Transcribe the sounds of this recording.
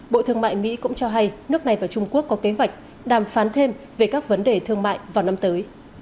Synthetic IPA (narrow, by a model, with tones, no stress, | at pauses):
ɓo̰˧˨t̪ʰɨ˧əŋma̰ː˧˨jmḭ˧˥kʊ̰˧˥ŋ͡mt͡ɕɔ˧ɦa˧jnɨ˦˥ək̚na˨˩jvaː˨˩t͡ɕʊ˧ŋ͡mku˦˥əkːɔ˨˦ke˨˦ɦwa˨˩jk̟̚ | ɗaː˨˩mfaː˨˦nt̪ʰe˧m | ve˨˩kaː˦˥k̚və˨˦nɗe˨˩t̪ʰɨ˧əŋma̰ː˧˨jvaː˨˩wna˧mt̪əː˨˦j